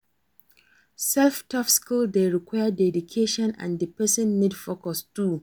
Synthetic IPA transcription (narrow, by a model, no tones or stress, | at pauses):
sɛlftʰɔfskuldeɹikwaɪjədɛdukʰeʃɔ̃nã̰ndəpɛsɔ̃nːidfokɔstu